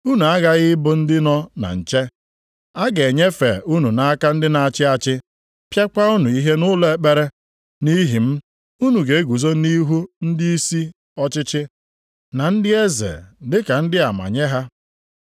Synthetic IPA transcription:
u˦nu˨a˦ɣa˦ɣɪ˦bʊ˨n̩˦dɪ˦nɔ˦na̰˨n̩˨t͡ʃe˦ | a˦ɡe˨ɲe˦fḛ˨u˦nu˨na˦a˦ka˦n̩˦dɪ˦na˨a˨t͡ʃɪ˦a˨t͡ʃɪ˦ | pja˦kʷa˦u˦nu˨i˦ɦe˦nʊ˦le˨e˦k͡pe˦ɾe˦ | ni˦ɦi˨m̩˦ | u˦nu˨ɡe˨˦ɡu˨zo˦ni˦ɦu˦n̩˦dɪ˦i˦si˦ | ɔ˦t͡ʃɪ˦t͡ʃɪ˦ | na˨n̩˦dɪ˦e˦zḛ˨dɪ˦ka˨n̩˦dɪ˦a˨ma̰˨ɲe˦ɦa˦

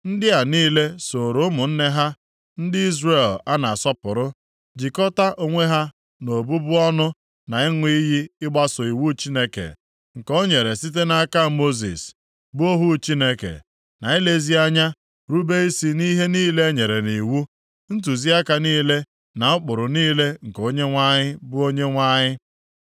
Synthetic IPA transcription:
n̩˦dɪ˦a˨niː˦le˦so˨ɾo˦mʊ˨n̩˦ne˦ɦa˦ | n̩˦dɪ˦i˦zre˦˨la˦na˨sɔ˦pʊ˨ɾʊ˦ | d͡ʒi˨kɔ˦ta˦ʔo˨ŋʷe˦ɦa˦ | no˨bu˦bʊ˦ɔ˦nʊ˦ | na˨ɪ˦ŋʷi˦ji˦ɪ˦ɡ͡ba˦sʊ˨i˨wu˦t͡ʃi˦ne˦kḛ˨ | ŋ̩˨kɔ˦ɲe˨ɾe˨si˦t̬e˦na˨ka˦˨mo˦zḭ˨s | bʊ˦o˦ɦu˦t͡ʃi˦ne˦kḛ˨ | na˨i˦le˦zi˦a˦ɲa˦ | ɾu˦be˦i˦si˦ni˦ɦe˦niː˦le˦ɲe˨ɾe˨ni˨wu˦ | n̩˦t̬u˨zi˦a˦ka˨niː˦le˦ | na˨ʊ˦k͡pʊ˨ɾʊ˨niː˦le˦ŋ̩˨ko˦ɲe˦ŋʷa˦ɲɪ˦bʊ˦o˦ɲe˦ŋʷa˦ɲɪ˦

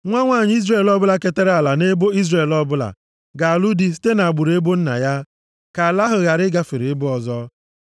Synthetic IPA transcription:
ŋʷa˦ŋʷa˦˨ɲɪ˦i˦zɾe˦˨lɔ˦bʊ˦la˦ke˦te˦ɾa˨la˨ne˦bo˦i˦zre˨lɔ˦bʊ˦la̰˨ | ɡa˨a˨lu˦di˦s̬i̥˦te˦na˨a˨ɡ͡bu˨ɾe˦bo˦n̩˦na̰˨ja˦ | ka˨la˦ɦʊ˨ɣa˨ɾɪ˦ɡa˦˨fɪ˨ɾi˨ɪ˦bʊ˦ɔ˨zɔ˦

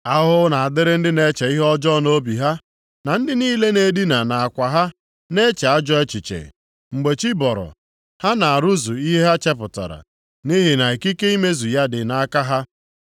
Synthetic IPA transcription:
a˦ɦʊ˦na˨a˨dɪ˦ɾɪ˦n̩˦dɪ˦ne˦t͡ʃe˨i˦ɦɔ˦d͡ʒɔ˦no˦bi˨ɦa˦ | na˨n̩˦dɪ˦niː˦le˦ne˨di˦na˨na˨a˨kʷa˨ɦa˦ | ne˦t͡ʃe˨a˦d͡ʒɔ˦e˦t͡ʃi˨t͡ʃḛ˨ | ŋ͡m̩˨ɡ͡be˨t͡ʃi˦bɔ˨ɾɔ̰˨ | ha˦na˨a˨ɾu˦zu˨i˦ɦɦt͡ʃe˦p̬ʊ˨tɔ̰˨ɾa̰˨ | ni˦ɦɪ˨na˨e˨ki˦ke˦i˦me˦zu˨ja˦dɪ˨na˨˦ka˦ɦa˦

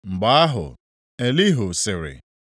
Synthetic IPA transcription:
ŋ͡m̩˨ɡ͡ba˦a˦ɦʊ̰˨ | e˨li˦ɦʊ˨sɪ˨ɾɪ̰˨

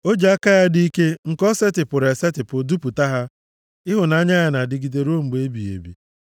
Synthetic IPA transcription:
o˦d͡ʒe˨a˦ka˦ja˦di˦i˦ke˦ŋ̩˨kɔ˦se˦tɪ˨pʊ˨ɾe˨se˦tɪ˨pʊ˨du˦pu˨ta˦ɦa˦ | ɪ˦ɦʊ˨na˦ɲa˦ja˨na˨dɪ˨ɡi˨de˨ɾo˦ŋ͡m̩˨ɡ͡be˦bi˨ḛ˨bḭ˨

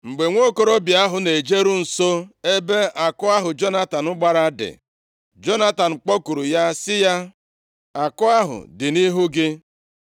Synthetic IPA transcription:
ŋ͡m̩˨ɡ͡be˨ŋʷo˦ko˦ɾo˦bja˦ɦʊ˨ne˨d͡ʒe˦ɾu˦n̩˨so˦e˦be˦a˨kʊ˦a˦ɦʊ˨d͡ʒo˦na˦ta˨nʊ˦ɡ͡ba˦ɾa˦dɪ̰˨ | d͡ʒo˦na˦ta˨n̩˨k͡pɔ˦ku˨ɾu˨ja˦sɪ˦ja˦ | a˨kʊ˦a˦ɦʊ̰˨dɪ˨ni˦ɦʊ˦ɡɪ˦

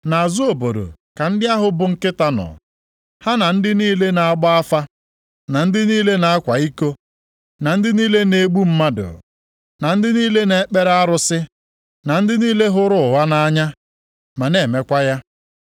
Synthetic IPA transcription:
na˨a˨zu˦o˨bo˨ɾo̰˨ka˨n̩˦dɪ˦a˦ɦʊ˨bʊ˨ŋ̩˦kɪ˦ta˦nɔ̰˨ | ha˦na˨n̩˦dɪ˦niː˦le˦na˨a˦ɡ͡ba˦a˦fa˦ | na˨n̩˦dɪ˦niː˦le˦na˨a˦kʷa˨i˦ko˦ | na˨n̩˦dɪ˦niː˦le˦ne˨ɡ͡bu˦m̩˦ma˦dʊ̰˨ | na˨n̩˦dɪ˦niː˦le˦ne˨˦k͡pe˦ɾa˦a˦ɾʊ˨sɪ˦ | na˨n̩˦dɪ˦niː˦le˦ɦʊ˦ɾʊ˦ʊ˨ɦa˦na˦a˦ɲa˦ | ma˨ne˨me˦kʷa˦ja˦

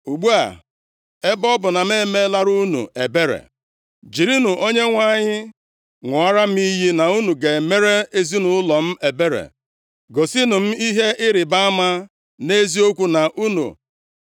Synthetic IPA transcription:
u˨ɡ͡bu˦a̰˨ | e˦bɔ˦bʊ˨na˨m˦e˦me˦la˦ɾu˦nṵ˨e˨be˦ɾḛ˨ | d͡ʒi˨ɾi˦nu˨ʔo˦ɲe˦ŋʷa˦˨ɲɪ˦ | ŋʷʊ˨a˦ɾa˦m̩˦i˦ɦi˦na˨u˦nu˨ɡe˨me˦ɾe˦e˦zi˦nu˨ʊ˦lɔ˨m̩˦e˨be˦ɾḛ˨ | ɡo˨si˦nʊ˨m̩˦i˦ɦe˦ʔɪ˦ɾɪ˨ba˦a˦ma˦ | ne˦zi˦o˦kʷu˦na˨ʔu˦nṵ˨

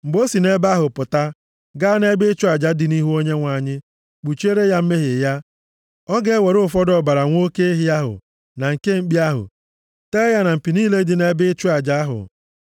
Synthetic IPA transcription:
ŋ͡m̩˨ɡ͡bo˦si˨ne˦ba˦ɦʊ˨pʊ˨ta˦ | ɡa˦ne˦bɪ˦t͡ʃu˦a˨d͡ʒa˦dɪ˨ni˦ɦu˦o˦ɲe˦ŋʷa˨ɲɪ˦ | k͡pu˨t͡ʃe˦ɾe˦ja˦m̩˦me˦ɦɪ˨ja˦ | ɔ˦ɡe˦we˨ɾʊ˦˨fɔ˦dɔ˦˨ba˨ɾa˨ŋʷo˦ke˦e˦ɦɪ˦a˦ɦʊ̰˨ | na˨ŋ̩˨ke˦ŋ͡m̩˦k͡pi˦a˦ɦʊ̰˨ | te˦ja˦na˨m̩˨pi˨niː˦le˦dɪ˨ne˦bɪ˦t͡ʃʊ˦a˨d͡ʒa˦a˦ɦʊ̰˨

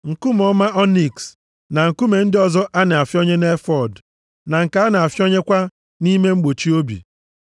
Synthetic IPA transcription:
ŋ̩˨kʊ˦m˨ɔ˦ma˦ʔɔ˦ni˨ks | na˨ŋ̩˨ku˦me˨n̩˦dɪ˦ɔ˨zɔ˦ʔa˦nɪ˨a˨fjo˦ɲe˦ne˦fɔ˨d | na˨ŋ̩˨ka˨˦a˦nɪ˨a˨fjo˦ɲe˦kʷa˦ | ni˦me˦ŋ͡m̩˦ɡ͡bo˨t͡ʃi˦o˦bḭ˨

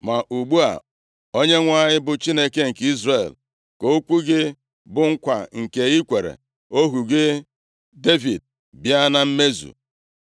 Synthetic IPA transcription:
ma˨ʔu˨ɡ͡bu˦a̰˨ | o˦ɲe˦ŋʷa˦ɲɪ˦bʊ˨t͡ʃi˦ne˦ke˦ŋ̩˨ki˦zre˨l | ko˨˦kʷu˦ɡɪ˦ | bʊ˨ŋ̩˦kʷa˨ŋ̩˨ke˨i˦kʷe˨ɾḛ˨ | o˦ɦu˨ɡɪ˦ | de˦vi˨d̚ | bja˦na˨m̩˦me˦zṵ˨

